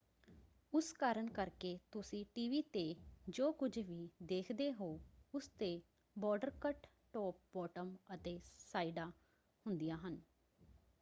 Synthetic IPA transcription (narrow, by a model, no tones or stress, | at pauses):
ʊskaːɾəɳkəɾkeːt̪ʊsĩːʈiːʋiːt̪eːd͡ʒoːkʊd͡ʒʋiːd̪eːkʰd̪eːɦoːʊst̪eː | bɔːɖəɾkəʈ | ʈɔːp̚bɔːʈəmət̪eːsaːiɖaː | hʊnd̪ijaːɦən